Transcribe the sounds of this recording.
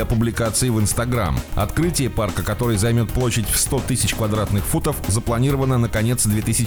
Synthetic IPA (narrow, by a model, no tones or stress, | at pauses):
ɐpʊblʲɪkat̪sɨɪvɨnst̪ɐɡɾa̰mɐ̰t̪kɾɨtʲɪjəparkəkɐt̪o̞ɾɨjzɐjmʲo̞t̪̚plˠo̞ɕːɪdʲfst̪o̞t̪ɨsʲɪt͡ɕkvɐd̪ɾat̪nɨxfut̪əfzəplˠɐnʲiɾəvənːənəkɐnʲe̞t̪sd̪vʲet̪ɨsʲɪ